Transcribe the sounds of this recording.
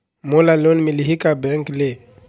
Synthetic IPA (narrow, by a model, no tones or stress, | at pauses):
molalonmiliɦikabɛŋkle